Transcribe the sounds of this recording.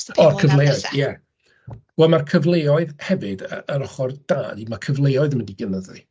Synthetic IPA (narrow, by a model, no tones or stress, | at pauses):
ɔrkʰəvlˠejɔɨðjɛ | wɛlˠmarkʰəvlˠeːɔɨðhɛvɨdəəɾɔχɔrd̥aːdimakʰəvlˠejɔɨðməndiɡɛnəðɨ